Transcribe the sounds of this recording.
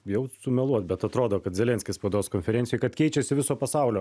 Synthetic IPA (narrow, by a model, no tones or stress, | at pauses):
jɛʊsʊmʲɛlˠuɔt̪bʲɛt̪ɐt̪ɾoːd̪oːkɐt̪zʲɛlʲɛnʲsʲkʲɪsspɐʊd̪oːskonʲfʲɛɾʲɛnt̪sʲɪjojɪkɐt̪kʲɛɪt͡ʃʲɛsʲɪʋʲɪsoːpɐsɑˑʊlʲoː